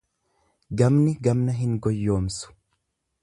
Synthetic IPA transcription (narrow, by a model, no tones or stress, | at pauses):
ɡɐmnɪɡɐmnɐɦɪŋɡɔjːo̞ːmsʊ̥